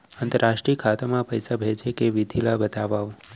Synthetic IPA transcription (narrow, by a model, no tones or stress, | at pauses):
ənt̪əɾaʃʈɾikʰat̪amãpəjsabʱet͡ʃekeʋɪd̪ʱilabət̪aʋaʋ